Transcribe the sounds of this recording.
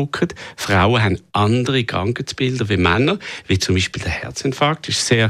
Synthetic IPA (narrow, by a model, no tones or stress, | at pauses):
ʊkʰətfʁa̰ʊəɦanʔɑndəʁiɡ̥ʁɑ̰ŋkət͡sb̥ɪldəʋimanːəvit͡sʊmbiːʃpiːld̥ɛhɛ̰ɐt͡sɛntfɑk̚tɪʃseː